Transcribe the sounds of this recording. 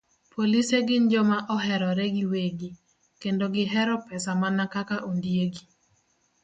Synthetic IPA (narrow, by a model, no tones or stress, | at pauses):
pʰoliseɡɪnd͡ʒɔmaʔɔɦɛɾɔɾeɡiweɡi | kendoɡɪɦɛɾɔpɛsamanakakaʔondjeɡi